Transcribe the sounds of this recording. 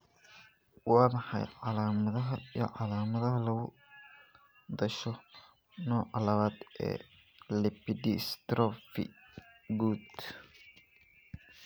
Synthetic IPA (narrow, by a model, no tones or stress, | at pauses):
wɑːmɑħɑ̰jʕɑlaːmɐðɐɦɐj̰ʕɑlaːmɐðɐɦɐlɐɣʊ | d̪ɐʃɔ | nɔːʕɑlɐβaːd̪ɛ̰ː | lɛpid̪ist̪ɾɔfḭ | ɡuːd̪